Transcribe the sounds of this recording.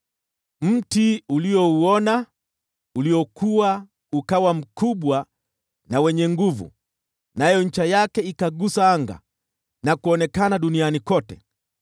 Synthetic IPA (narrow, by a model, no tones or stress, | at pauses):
m̩tiuliɔuɔna | uliɔkuwa | ukawam̩kuɓwa | nawɛɲɛŋɡuvṵ | najɔɲ̩t͡ʃajakɛikaɡusaaŋɡa̰ | nakuɔnɛkanaɗunianikɔtɛ